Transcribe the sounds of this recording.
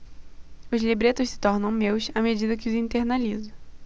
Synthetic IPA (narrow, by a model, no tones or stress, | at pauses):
ʊzlibɾet̪ʊʃsɪ̥t̪ɔɾnɐ̃w̃mewsamed͡ʒid̪ɐkɪʊzĩnt̪eɾnalizʊ